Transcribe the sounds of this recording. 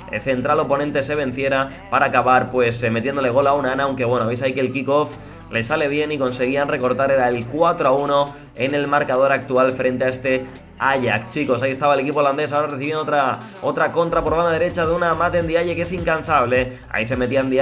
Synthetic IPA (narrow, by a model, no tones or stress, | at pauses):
θe̞nt̪ɾalo̞po̞nẽnt̪e̞se̞β̞ẽ̞n̟θje̞ɾa | paɾaːkaβaɾpwe̞sme̞t̪jend̪ole̞ɣ̞o̞launaanaːwŋke̞βwe̞noaβejsaike̞lkiko̞f | le̞sale̞β̞je̞niko̞nse̞ɣ̞ianre̞ko̞ɾt̪aɾe̞ɾaelkwat̪ɾoauno̞ | e̞ne̞lmaɾkaðo̞ɾak̚t̪ualfɾe̞nt̪e̞aest̪e̞ | aʝakt͡ʃiko̞s̬aie̞st̪aβaele̞kipoland̪e̞sao̞ɾareθiβend̪ot̪ɾa | o̞t̪ɾako̞nt̪ɾapo̞ɾβand̪aðe̞ɾe̞t͡ʃaðeunamat̪end̪iaʎekesiŋkansaβ̞le̞ | a̰is̬e̞me̞t̪iand̪ia